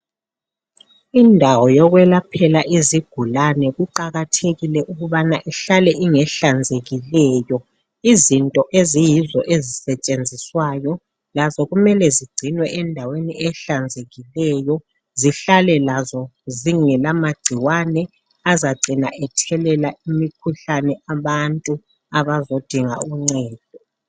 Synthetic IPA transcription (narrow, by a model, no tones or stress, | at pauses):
indʱawɔjɔɣwɛlapʰɛlaʔiziɡ̥ʱulanɛɣuǃaɣatʰeɣilɛʔuɣuβanaʔɛɬalɛʔiŋɛɬand͡zʱeɣilɛːjɔ | izintʼɔʔezijizɔʔezisɛt͡ʃʼend͡zʱiswajɔ | lazɔɣumɛlɛziɡ͡ǀʱinwɛʔɛndʱaweniʔɛɬand͡zʱeɣilɛjɔ | ziɬalɛlazɔziŋɛlamaɡ͡ǀʱiwanɛ | azaɡ͡ǀʱinaʔɛtʰɛlɛlaimikʰuɬanɛʔaβantʼu | aβazod̥ʱiŋa̰uŋ͡ǀɛːd̥ʱɔ